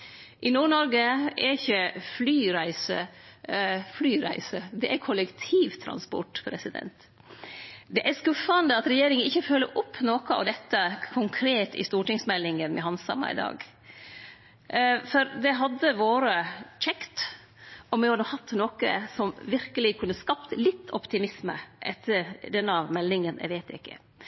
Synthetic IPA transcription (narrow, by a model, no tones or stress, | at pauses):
ʔɪnuːɳɔɾɡəɛɪçːəflyːɾæɪsə̰ | flyːɾæ̰ɪsəd̪ɛʔæɾkʰʊləkt̪ʰiːʋt̪ʰɾɑ̰nspɔ̰ʈpʰɾɛsɪd̪ɛ̰nt̪ | d̪ɛʔæɾskʉfɑnd̪əɑt̪ɾɛjeːɾɪŋənɪçːəføːlːə̰ɾʔʊpʰːnoːkəɑ̰ʋd̪ɛt̪ːəkʰʊŋkʰɾeːt̪ɪ̰st̪uːʈɪŋsmɛlːɪŋənmɛ̰ɦɑnsɑ̰mɑ̰ɪ̰d̪ɑ̰ːɡ | fɔɾd̪ɛɦɑd̪ːəʋoːɾət͡ʃɛkt̪ | ɔmʋɪhɑd̪əhɑt̪ːnoːkə̰sɔmʋɪɾkəlɪkʰʉnːəskɑpt̪lɪt̪ʰːɔpt̪ʰɪmɪsmə̰ʔɛt̪ʰːəɾɖɛnːɑmɛlːɪŋənʔæ̰ɪʋeːt̪ɪ̰kːə̰